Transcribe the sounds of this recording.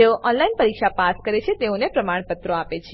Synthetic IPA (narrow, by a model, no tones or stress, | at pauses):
eoʔɔnlainpəɾikʃapaskəɾet͡ʃʰet̪eonepɾəmaɳ̃pət̪ɾoapet͡ʃʰ